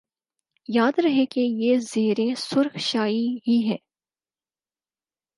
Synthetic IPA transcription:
jaːd̪ɾɐɦekejeːzeːɾẽsʊɾxʃaːiɦiɦɛː

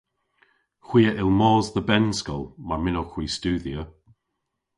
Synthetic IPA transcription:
xw̥iːəʔɪlˠmɔːzðəbɛnskɔlˠmaɹmɪnoxwiːstuːðiə

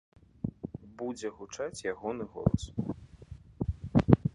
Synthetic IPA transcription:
bud͡zʲɛɣut͡ʂat͡sʲjaɣɔnɨɣɔ̰lˠɐ̰s

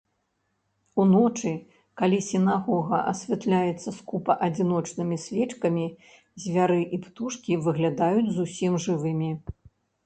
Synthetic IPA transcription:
unɔt͡ʂɨ | kalʲisʲinaɣɔɣɐʔɐsʲvʲat̪lʲajɛt̪sːɐskupɐʔɐd͡zʲin̪ɔt͡ʂnɨmʲisʲvʲɛt͡ʂkɐmʲi | zʲvʲaɾɨʔipt̪uʂkʲivɨɣlʲad̪ajud͡zʲzusʲimʐɨvɨmʲi

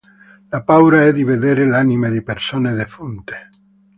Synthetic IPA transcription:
lapawɾaɛðiβeðeɾelanimeðipeɾsoneðefunt̪e̥

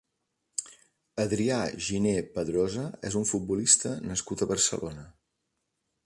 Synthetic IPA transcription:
əðɾiaʒinepəðɾɔzəɛ̰zuɱfut̪̚bulist̪ənəskut̪əβərsə̰lʔonə

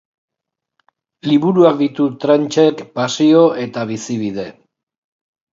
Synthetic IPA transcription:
liβuɾuak̚d̪it̪ut̪ɾant͡ʃe̞kpasio̞ʔe̞t̪aβisiβið̞e̞

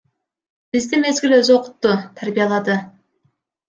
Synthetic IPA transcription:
b̥izd̪ime̞zɡiløzo̞qʊ̥t̪ːut̪ʰæɾbijɑlˠɑd̪ɯ

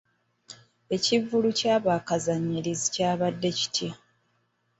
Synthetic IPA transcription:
e̞civulucaːβaːkazaɲːilizicaːβadːe̞ci̥tʰja

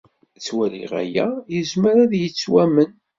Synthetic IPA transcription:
t͡sːwæɾḭʁæ̰jæ̰jəzməɾaðjət͡sːwæmən

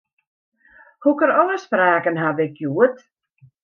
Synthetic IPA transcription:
hukəɾɔləspraːkənɦadɪkjuət

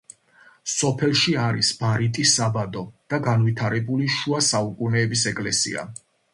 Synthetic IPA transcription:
sɔpʰɛlˠʃiaɾisb̥aɾit̪ʼisabad̪ɔd̪̥aɡanvit̪ʰaɾɛbuliʃuasaukʼunɛːbisɛkʼlɛsḭa̰

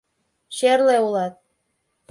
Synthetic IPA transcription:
ʃerleulɑt̪̚

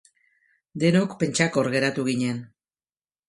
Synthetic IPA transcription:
d̪e̞nokpe̞nt͡ʃako̞ɾɣe̞ɾat̪uɣiɲe̞n

